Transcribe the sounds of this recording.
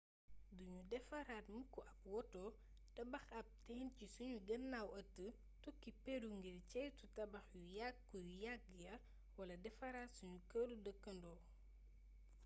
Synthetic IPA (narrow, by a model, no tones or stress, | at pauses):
duɲudɛfɐɾaːtmukːuʔɐp̚wɔtɔː | tɐbɐxɐp̚tɛːncisuɲuɡɐnːawɐtːə | tukːipɛduŋɡircɛjtutɐbɐxjujakːujujak̚jɐ | wɐlɐdɛfɐɾaːtsuɲukəludəkːɐndɔː